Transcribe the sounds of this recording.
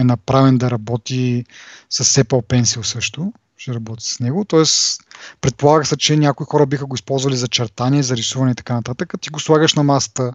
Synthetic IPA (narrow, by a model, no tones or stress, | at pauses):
ɛnɐpɾavɛnd̪ɐɾɐbɔt̪i | sɐsɛpɐlˠpɛnsilˠsɤʃt̪ʊ | ʃɛɾɐbɔt̪i̥ssnɛɡʊt̪ɔɛspɾɛt̪̚polˠaɡəsɛt͡ʃɛnʲakʊixɔɾɐbixəɡʊispɔlˠzvɐlizɐt͡ʃɛɾt̪aniɛzɐɾisuvɐnɛit̪ɐ̥kanɐt̪at̪əkət̪iɡoslˠaɡəʃnɐmasə̥t̪ə